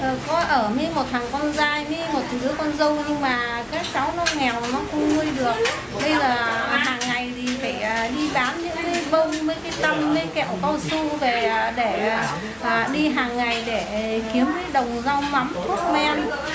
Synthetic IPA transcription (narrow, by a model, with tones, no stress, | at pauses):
ʔəː˨˩kɔ˨˦ʔəː˧˩mi˨˦mo˨˩t̚t̪hʰaː˨˩ŋkɔ˧nzaː˧jmi˨˧˦mo˨˩t̚nɨ˨˦əkɔ˧nzə˧wɲɨ˧ŋmaː˨˩ | kaː˨˦˥k̚t͡ɕa˨˦wnɔ˨˦ŋɛ˨˩wnɔ˨˦xə˧wŋ͡mŋu˧əjɗɨ˨˩ək̚ | ɓə˧jzəː˨˩ɦaː˨˩ŋːa˨˩jzi˨˩faː˧˩jːɗi˧ɓaː˨˦nɲɨ̰˧˥ŋkaː˨˦jvə˧ŋ͡mməː˨˦jkaː˨˦jt̪ə˧mmə˨˦jkɛ̰˧˨wkɔ˧wsu˧ve˨˩ɗe˧˩˨ | ʔəː˨˩ɗi˧ɦaː˨˩ŋːa˨˩jɗe˧˩ki˨˦əmkaː˨˦jɗə˨˩wŋ͡mza˧wma˨˦mt̪ʰu˦˥ət̚mɛ˧n